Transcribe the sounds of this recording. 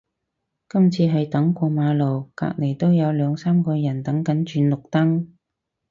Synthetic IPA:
kɐ˥mt͡sʰiː˧ɦɐ˨jt̪ɐ˨˥ŋkʷɔː˧maː˨˧lo˨˩wka̰ː˧k̚le˨˩jt̪o˥wjɐ˨˧wlœː˨˧ŋsaː˥mkɔː˧jɐ˨˩nt̪ɐ˨˥ŋkɐ˨˥nt͡ʃyː˨˧nlʊ˨k̚t̪ɐ˥ŋ

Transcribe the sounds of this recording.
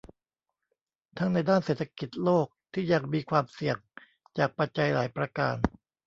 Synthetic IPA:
t̪ʰa˦˥ŋna˧jdaː˥˩nseː˨˩t̪ʰːa˧ki˨˩t̪̚loː˥˩k̚t̪ʰiː˥˩ja˧˩ŋmiː˧kʰwaː˧msi˨˩əŋ | t͡ɕaː˨˩k̚pa˧t̪̚t͡ɕa˧jla̰ː˩˦jpɾa˧ka̰ː˧n

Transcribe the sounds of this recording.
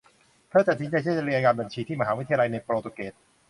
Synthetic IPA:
pʰɯ˥˩t̪a˨˩si˨˦nt͡ɕa˧jt͡ɕʰa˧ɾi˧ʔa˧kaː˧nba˧nt͡ɕʰiː˧iː˥˩ma˧ɦaː˩˦wt̪ʰːa˧ja˧la˧jna˧jpɾoː˧t̪o˧˩keː˨˩t̪̚

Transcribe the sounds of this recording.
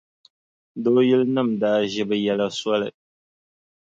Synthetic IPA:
do˦jɪ˦lnɨ˦˨mdaː˦ʒɛ˦bɨ˦jɛ˦la˦swɔ˦lɨ˨

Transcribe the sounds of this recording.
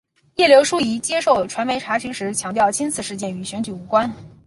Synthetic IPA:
jɛ˥˩ljo˧˥ʊʂu˥i˧˥t͡ɕjɛ˥ʂo˥˩ʊʈ͡ʂʰwa˧˥nme˧˥ɪʈ͡ʂʰa˧˥ɕi˧˥ŋʂɻ̩˧˥t͡ɕʰjɑ˧˥ŋt̪jɑ˥˩ʊt͡ɕʰi˥nt͡sʰɹ̩˥˧ʂɻ̩˥˧t͡ɕjɛ˥˩ny˧˥ɕɥɛ˧˥nt͡ɕy˨˩u˧˥kwa˥n

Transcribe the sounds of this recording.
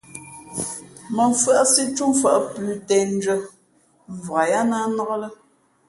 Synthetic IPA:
mə˨ɱ˨fʔa˦si˦t͡ʃu˦mfa˨ʔpʉː˨tɛ˨n̩˦d͡ʒə˦ | ɱ˨vɔ˨a˨ja˦na˦nɔ˦ɣɔ˦lə˦

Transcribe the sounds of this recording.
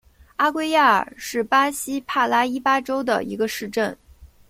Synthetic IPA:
a˥kwe˥˧ɪja˥˩ə̰˨˩ʂɻ̩˥˩pa˥ɕi˥pʰa˥˩la˥i˥pa˥ʈ͡ʂo˥ʊd̪ə̰˨ḭ˧˥ɡə˧ʂɻ̩˥˧ʈ͡ʂə˥˩n

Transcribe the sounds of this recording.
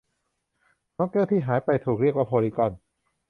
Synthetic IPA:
nɔː˦˥kːɤː˥˩t̪ʰiː˥˩ɦaː˩˦jpa˧jt̪ʰuː˨˩k̚ɾi˥˩əkwaː˥˩pʰoː˧liː˧˩kɔ˨˩n

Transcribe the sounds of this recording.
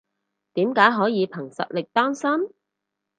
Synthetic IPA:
t̪iː˨˥mkaː˨˥jɦɔː˨˥jiː˨˧pʰɐ˨˩ŋsɐ̰˨t̚lɪ˨k̚t̪ɔː˥ŋsɐ˥m

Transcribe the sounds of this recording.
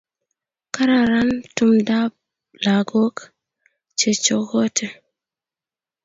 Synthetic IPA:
ka˦ɾa˨ɾa˦ntu˦mda˦b̚ | la˨ɡo˦k | t͡ʃe˨t͡ʃo˦ɡo˦tʰe˦

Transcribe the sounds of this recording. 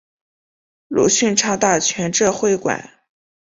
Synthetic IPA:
lṵ˨˥ɕy˥˧nʈ͡ʂʰa˥˧ŋt̪a˥˩t͡ɕʰɥɛ˧˥nʈ͡ʂɤ˥˧xwe˥˩ɪkwa̰˨˩˦n

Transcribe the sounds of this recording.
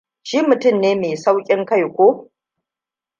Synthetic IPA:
ʃi˦mʊ˨tʊ˦˨mneː˦meː˨sa˦wkʲʼɪ˦ŋka˦˨jkʷoː˦

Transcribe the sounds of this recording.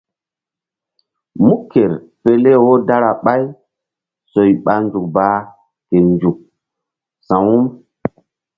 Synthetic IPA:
mu˦kʰːe˨ɾ | pe˨le˦wo˦da˦ɾa˨ɓa˦j | so˨jɓa˨nd͡ʒu˨k̚baː˨˦ | ke˨nd͡ʒu˨k̚ | sã˨wu˦m

